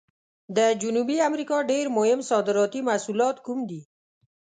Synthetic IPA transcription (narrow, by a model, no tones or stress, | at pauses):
d̪ad͡ʒunubiamɾikɔɖeɾmoɦɪmsɔd̪ɪɾɔt̪imasulɔːt̪kumd̪i